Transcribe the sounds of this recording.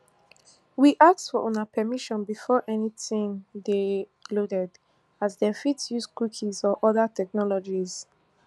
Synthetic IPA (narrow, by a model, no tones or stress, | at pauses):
wiʔak̚tfɔʔɔ̃napʰɛmiʃɔ̃nbifɔʔɛnitĩŋde | lodɛd | azdefitsjuskwikʰizɔʔɔðatʰɛk̚nɔlɔd͡ʒiz